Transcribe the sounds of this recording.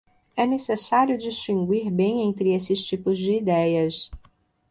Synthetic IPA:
ɛnesesaɾjʊd͡ʒiʃt͡ʃĩŋɡwiɾbẽj̃ẽnt̪ɾɪesɪst͡ʃipʊzd͡ʒɪːd̪ɛjɐs

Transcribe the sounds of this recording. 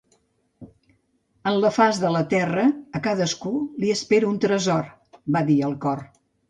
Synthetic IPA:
ənləfazðələt̪ɛrəːkaðəskuliəspeɾəunt̪ɾəzɔr | baðiəlˠkɔr

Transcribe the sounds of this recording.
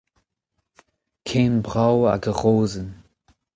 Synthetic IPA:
kʰeːnbʁawa̰ɡəʁoːzən

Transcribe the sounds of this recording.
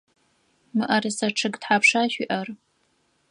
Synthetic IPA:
mɨʔɐrɨsɐʈ͡ʂʰɨɡtħaːpʂaːʃʷiʔɐr

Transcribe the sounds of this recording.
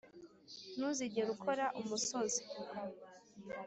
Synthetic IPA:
nuziɟeɾukʰo̞ɾaʔumusozi̥

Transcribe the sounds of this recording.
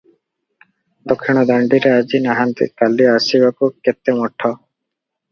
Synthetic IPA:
d̪ɔkʰːiɽ̃ɔd̪aɳɖiɾead͡ʒinaɦant̪ḭkaliasibakuket̪ːemɔʈʰːɔ

